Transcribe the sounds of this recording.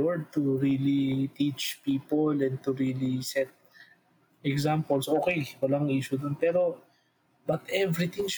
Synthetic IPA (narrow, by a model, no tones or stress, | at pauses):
ɛɹd̪̚t̪uɹilit̪it͡ʃpiːpolɛ̃n̚t̪ʊɹilisɛt̪̚ | ɛksampolsʔoːkejwɐlaŋʔiːʃʊd̪ʊnpɛːɾo̞ | bɐt̪ʔɛvɾɪt̪ɪ̃ŋʃ